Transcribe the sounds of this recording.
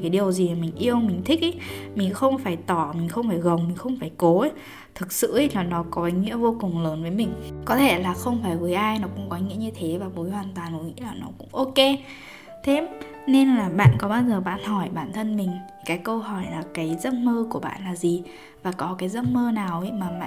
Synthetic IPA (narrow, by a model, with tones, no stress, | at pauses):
kaː˨˦ɗi˨˩əwzi˨˩˨mï˨˩ŋ̟ʔi˧əwmï˨˩ŋ̟t̪ʰi˦˥k̚ʔə˨˦mï˨˩ŋ̟xə˧wŋ͡mfaː˧˩jt̪ɔ˧˩mï˨˩ŋ̟xə˧wŋ͡mfaː˧˩jɣə˨˩wŋ͡mmï˨˩ŋ̟xə˧wŋ͡mfaː˧˩jko˨˦ | t̪ʰɨ˨˩k̚sɨ̰˧˨˦laː˨˩nɔ˨˦kɔ˨˦˨ŋḭ˧˥əvo˧kʊ˨˩ŋ͡mləː˨˦nvəː˨˦jmï˨˩ŋ̟kɔ˨˦t̪ʰe˧˩laː˨˩xə˧wŋ͡mfaː˧˩jvəː˨˦jʔaː˧jnɔ˨˦kʊ̰˧˥ŋ͡mkɔ˨˦ŋḭ˧˥əɲɨ˧t̪ʰe˨˦vaː˨˩mo˨˦jɦwaː˨˩nt̪waː˨˩nʔo˨˦ŋḭ˧˥laː˨˩nɔ˨˦kʊ̰˧˥ŋ͡mʔo˧ke˧ | t̪ʰe˧˥m | ne˧nlaː˨˩ɓa̰ː˧˨nkɔ˨˦ɓaː˧wzəː˨˩ɓa̰ː˧˨nhɔ˧˩jɓaː˧˩nt̪ʰə˧nmï˨˩ŋ̟ | kaː˨˦jkə˧wɦɔ˧˩jlaː˨˩kaː˨˦jzə˦˥t̚məː˧ku˧˩əɓa̰ː˧˨nlaː˨˩zi˨˩ | vaː˨˩kɔ˨˦kaː˨˦jzə˦˥t̚məː˧naː˨˩wi˨˦maː˨˩ma̰˧